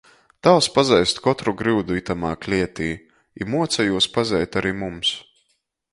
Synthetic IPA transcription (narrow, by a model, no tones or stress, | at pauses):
t̪awspazɛjst̪kɔt̪ɾuɡɾɨːd̪uit̪amaːklʲiɛt̪iː | ḭmuɔt̪sajuɔspazʲɛjt̪aɾiːmums